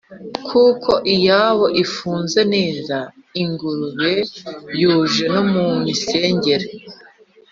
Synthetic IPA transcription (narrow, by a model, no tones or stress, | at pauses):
kʰuːkʰo̞ʔijaːβo̞ʔifuːnze̞neːzaiŋɡuɾuβe̞juːʒe̞no̞mumise̞ːɲɟe̞ɾe